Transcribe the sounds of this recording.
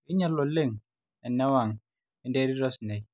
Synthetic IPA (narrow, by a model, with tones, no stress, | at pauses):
i˦ɲa˦˨lo˨le˦˨ŋ | ɛ˨nɛ˦wa˨ŋ | ɛ˨nde˦ɾi˦ɾɔ˦snɛ˨j